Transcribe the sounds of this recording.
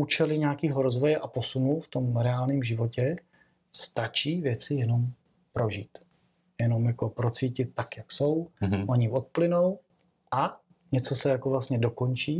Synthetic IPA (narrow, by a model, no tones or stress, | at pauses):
uːt͡ʃɛlɪɲaːkiːɦoɾo̞zvo̞jɛʔapo̞sunuft̪o̞mɾɛaːlɲiːmʒɪvo̞cɛ | st̪at͡ʃiːvjɛt͡sɪjɛno̞m | pɾo̞ʒiːt̪ | jɛno̞mjakopɾo̞t͡siːcɪt̪̚ːakjakso̞wʔoɲɪvot̪̚plɪno̞w | ʔa | ɲɛt͡so̞sɛjakovlast̪ɲɛdo̞ko̞nt͡ʃiː